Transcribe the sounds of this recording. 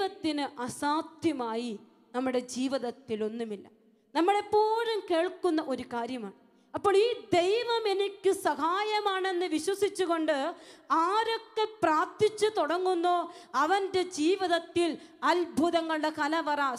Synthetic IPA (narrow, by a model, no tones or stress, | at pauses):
ʋɐt̪ːinɨʔɐsaːd̪ʱjɐmaːji | nɐmːuɽe̞d͡ʑiːʋiðɐt̪ːilo̞nːumilːɐ | nɐmːuɽe̞pːoːɾumke̞ːɭkunːɐʔo̞ɾukaːɾjɐmaːɳɨ | ɐpːoːɭiːd̪e̞jʋɐme̞nikʲːɨsɐhaːjɐmaːɳe̞nːɨʋiɕwɐsit͡ɕːuɣo̞ɳɖɨaːɾokːe̞praːt̪it͡ɕːɨt̪oɽɐŋːunːo̞ːɐʋɐnde̞d͡ʑiːʋiðɐt̪ːilɐlbʱuðɐŋːɐɭɽekɐlɐʋɐraː